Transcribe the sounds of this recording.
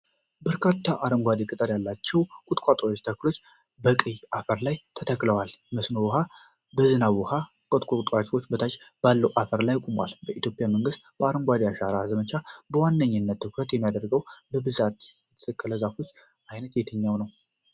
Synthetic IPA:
bəɾkʰat̪ʰːaʔaɾəŋɡʷad̪ikʼɨt̪ʼəɾjalːat͡ʃːɛwkʷʼut̪ʼkʷʼat̪ʼɾwot͡ʃːt̪ʰəkːɨlo̞t͡ʃː | bəkʼɨjʔafəɾlajt̪ʰət̪ʰəkʼːləwalməsnowɔɦa | bəzɨnawɔha | kʼət̪ʼkʷʼokʼt̪ʼat͡ʃʼwo̞t͡ʃːbət̪ʰat͡ʃbalːəwʔafəɾlajːkʷʼumwa̰lbəʔit̪jo̞pʼjaməŋɡɨst̪b̥əaɾəŋɡʷad̪ijaʃaɾazəmət͡ʃʰabəwanːəɲːɨnːət̪ʰːɨkɾət̪jɛmːijad̪əɾɡəwbəbɨzat̪ | ɛt̪ʰkːələzafo̞t͡ʃː | ʔajnət̪jɛt̪ʰəɲːawnəw

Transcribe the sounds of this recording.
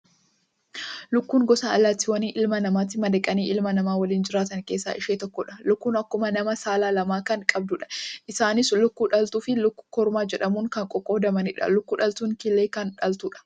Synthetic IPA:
lʊkːuːŋɡɔsaːɐlːaːt̪ːɪwɐniːʔɪlmɐnɐmaːt̪ːɪmɐd̪ɛkʼɐniːʔɪlmɐnɐmaːwɐliːnd͡ʒɪɾaːt̪ɐŋke̞ːsːa̰ːʔɪʃeːt̪ɔkːɔᶑɐ̥lʊkːuːnɐkːʊmɐnɐmɐsaːlaːlɐmaːkɐŋkʼɐb̚d̪ʊᶑɐ̥ʔɪsaːnɪslʊkːuːᶑɐlt̪uːfɪlʊkːʊ̥kɔɾmaːd͡ʒɛᶑɐmuːŋkɐŋkʼɔkʼːoːd̪ɐmɐnɪᶑɐ̰lʊkːuːᶑɐlt̪uːŋkɪlːeːkɐnᶑɐlt̪uːᶑɐ̥

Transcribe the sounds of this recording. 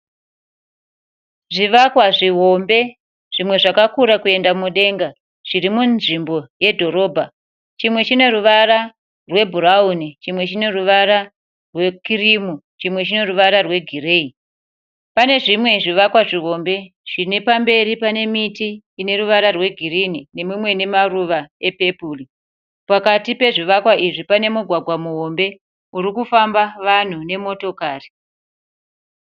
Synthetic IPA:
ʐiʋakwaʐiɦo̞mbe̞ | ʐ̥imwe̞ʐakakuɾakue̞ndamuɗe̞ŋɡa | ʐ̥irimuʐimbo̞je̞dʱo̞ɾo̞bʱa | t͡ʃimwe̞t͡ʃine̞ɾuʋaɾa | rwe̞bʱuɾaunit͡ʃimwe̞t͡ʃine̞ruʋaɾa | rwe̞kirimu | t͡ʃimwe̞t͡ʃine̞ruʋaɾarwe̞ɡʱire̞i | pane̞ʐimwe̞ʐiʋakwaʐiɦo̞mbe̞ | ʐ̥inepambe̞ɾipane̞mitiː | ne̞ɾuʋaɾarwe̞ɡʱirinine̞mwimwe̞ne̞maruʋae̞pe̞puːli | pakatipe̞ʐiʋakwaʔiʐipane̞muɡʱwaɡʱwamuɦo̞mbe̞ | uɾikufambaʋan̤une̞mo̞to̞kaːri

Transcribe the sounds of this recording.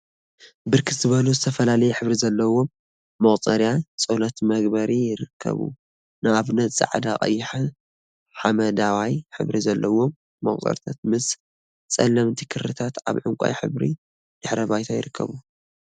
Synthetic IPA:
bɨɾkʰɨzɨβɐluzɨt̪ʰɐfɐlalɐjɛħɨβɾizɐlːɐwo̞mː | ɐχʼt͡sʼɐɾjat͡sʼolɐt̪mɐɡbɐɾijɪɾɨkʰːɐ̰βṵ | nɨaβnɐt̪ʼt͡sʼɨ̰ʕa̰d̪akʼɐ̰jːɪħa | ħamɐd̪awajħɨ̰βɾizɐlːɐwomː | ɐ̰χʼt̪ʼɐ̰ɾt̪ʰat̪̚mɨs | t͡sʼɐlːɐmt̪ʰi̥kʰɨrːɨt̪ʰat̪a̰βʕɨŋkʷʼa̰jħɨ̰βɾḭ | d̪̥ɨħɾɐbajt̪ʰajɪ̰ɾɨkʰːɐ̰βu

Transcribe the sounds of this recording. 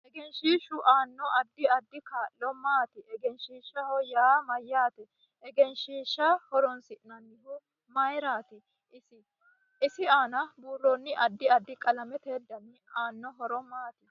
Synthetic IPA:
ɛɡɛnʃiːʃʊʔaːnːɔɐd̪ːɪɐd̪ːɪkaːʔlɔmaːt̪ɪʔɛɡɛnʃiːʃːɐhɔjaːmɐjːaːt̪ɪ | ɛɡɛnʃiːʃːɐhɔɾɔnsɪʔnɐnːɪhʊ | mɐjɾaːt̪ɪ | ɪ | ɪsɪaːnɐbuːrːɔnːɪʔɐd̪ːɪɐd̪ːɪkʼɐlɐmɛt̪eːd̪ːɐnːɪaːnːɔɦɔɾɔmaːt̪ɪ

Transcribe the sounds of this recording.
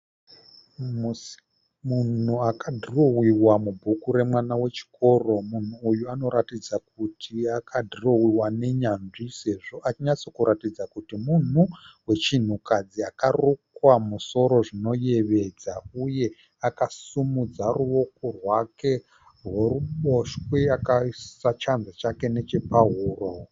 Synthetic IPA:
munuakadʱirowiwamubʱukuɾe̞mwanawe̞t͡ʃi̥ko̞ro̞mun̤uːjuano̞ɾatid͡zak̚utʰiakʰadʱirowiwane̞ɲanʐise̞ʐo̞ʔat͡ʃiɲat͡so̞kuɾʔatid͡zakutimun̤uwe̞t͡ʃin̤ukad͡ziakarukwamuso̞ɾo̞ʐino̞je̞ʋe̞d͡zauje̞ | akasumud͡zaruo̞korwake̞ | rweruɓo̞ʃwweakasat͡ʃanzat͡ʃake̞ne̞t͡ʃe̞paɦuːro

